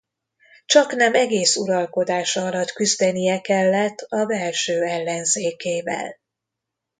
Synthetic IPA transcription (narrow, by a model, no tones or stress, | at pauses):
t͡ʃɒknɛmɛɡeːsuɾɒlko̞d̪aːʃɒɒlɒt̪kyzd̪ɛnijɛkɛlːɛt̪ːɒbɛlʃøːɛlːɛnzeːkeːvɛ̰l